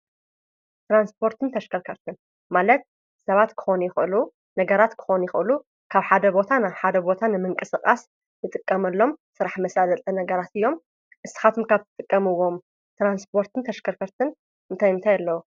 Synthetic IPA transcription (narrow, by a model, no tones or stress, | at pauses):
t̪ɾanspʰo̞ɾt̪ʰɨnt̪ʰɐʃkʰɐɾkʰɐɾt̪ʰɨn | malɐt̪̚ | sɐβat̪kʰɨ̥xo̞njɪxɨlu | nɐɡɐɾat̪kʰɨ̥xonjɪxɨlu | kʰaβħad̪ɐbo̞t̪ʰanaħad̪ɐbo̞t̪ʰanɨmɨŋkʼɨsɨkʼa̰s | nɨt̪ʼɨkʼːɐmɐlːo̞msɨɾaħmɐsazɐt̪ʼɐnɐɡɐɾat̪ɨjːo̞m | ʔɨsɨ̥xat̪ʰumkʰaβt̪ʰɨt̪ʼɨkʼːɐmɨwːo̞m | t̪ɾanspʰo̞ɾt̪ʰɨnt̪ʰɐʃkʰɐɾkʰɐɾt̪ʰɨn | ɨnt̪ʰajɨnt̪ʰajalːɐwu